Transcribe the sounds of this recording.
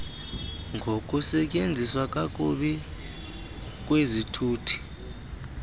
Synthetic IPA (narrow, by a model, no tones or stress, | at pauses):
ŋɡʱokʼusɛcʼend͡zʱiswakʼakʼuɓi | k̬ʼwezitʰuːtʰi̥